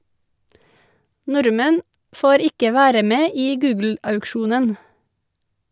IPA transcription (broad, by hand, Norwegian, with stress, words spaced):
ˈnʊɾmɛn ˈfoːɾ ˈɪkə ˈʋæːɾə ˈmeː ˈiː ˈɡʉːɡl̩ɑʉkˌʃuːnən